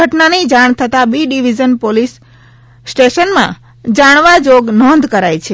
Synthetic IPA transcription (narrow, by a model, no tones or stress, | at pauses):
əʈnanid͡ʒaɳ̃t̪ʰət̪abiɖiʋid͡ʒənpolisː | ʈeʃənmã | d͡ʒaɽ̃ʋad͡ʒoɡnɔnd̪ʱkəɾajt͡ʃʰe